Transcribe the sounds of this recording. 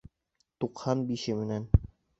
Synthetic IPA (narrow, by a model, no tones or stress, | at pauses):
t̪uqhɑnbiʃɘmɘ̆næn